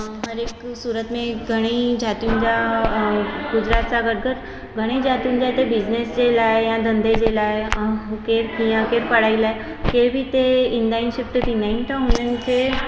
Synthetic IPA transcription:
ɦəɾeksuɾət̪mẽɡʱəɽ̃ed͡ʑʱat̪und͡ʑa | ɡud͡ʑɾat̪̚t͡saɡəɽ̚ɡəɾ | ɡʱəɽ̃ed͡ʑʱat̪iːnd͡ʑat̪ebid͡ʑnesd͡ʑelaejãd̪ənd̪ed͡ʑelaeɦukeɾɦĩəkeɾpəɽailaj | kebʱiːt̪eind̪ainɕep̚ʈ̪ət̪inaint̪əɦunent͡se

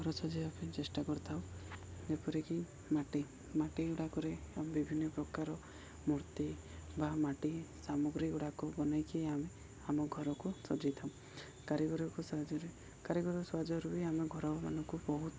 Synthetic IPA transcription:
ɔɾɔt͡ʃʰɔd͡ʒeapit͡ʃesʈakɔɾt̪ʰawd͡ʒepɔɾeki | maʈi | maʈiuɽakɔɾeambibʱinːɔpɾɔkaɾɔ | muɾt̪ibamaʈisamɔɡɾikuɽakɔbɔnajkieame | amɔɡʱɔɾɔkusɔd͡ʒajt̪ʰaw̃ | kaɾiɡɔɾɔkusad͡ʒɔɾi | kaɾiɡɔɾsad͡ʒɔɾubiameɡʱɔɾɔbama̰nɔŋkubɔɦut̪

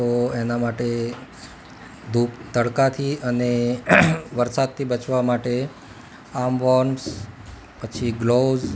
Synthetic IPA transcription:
t̪oenamaʈe | d̪ʱupt̪əɽkat̪ʰiəne | ʋəɾsad̪̚t̪ʰibət͡ʃʋamaʈe | amʋɔɳs | pət͡ʃʰiɡloz

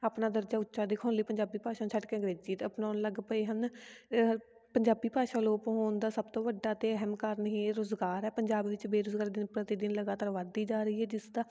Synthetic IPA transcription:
aːpnaːd̪əɾd͡ʒaːʊtːʃaːd̪ɪkʰaːnləiːpəɲd͡ʒaːbiːpaːʃaːt͡ʃʰəʈkeːəɡɾeːd͡ʒiːt̪əpnaːnləɡpəeːɦən | pəɲd͡ʒaːbiːpaːʃaːloːpɦoːnd̪aːsəb̚t̪õːʋəɖːaːt̪eːəɦɛmkəɾnɦiːɾozɡaːɾɛːpəɲd͡ʒaːbʋɪt͡ʃbeːɾʊzɡaːɾd̪ɪnpɾət̪id̪ɪnləɡaːt̪aːɾʋad̪iːd͡ʒaːɾəiːɦɛːd͡ʒɪsd̪aː

